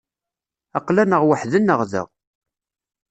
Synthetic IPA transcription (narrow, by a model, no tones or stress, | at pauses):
ɑqlænəʁwəħðənːəʁðə̰ʁ